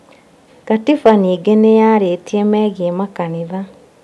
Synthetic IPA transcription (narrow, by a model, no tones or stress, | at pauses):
katifaniːɡenejaɾetiemɛːɣiemakaniða